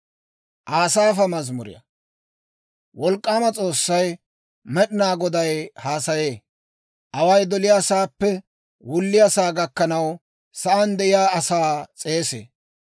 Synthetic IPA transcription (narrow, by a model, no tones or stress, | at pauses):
ʔaːsaːfɐmɐzmʊɾɪ̰jɐ̰ | wɔlkʼːaːmɐt͡sʼo̞ːsːɐj | mɛɗɪnaːɡɔd̪ɐjhaːsɐje̞ː | ʔɐwɐjd̪ɔlɪjaːsaːpːɛ | wʊlːɪjasaːɡɐkːɐnɐw | sɐʔɐnd̪ɛʔɪjaːɐsaːt͡sʼe̞ːsḛː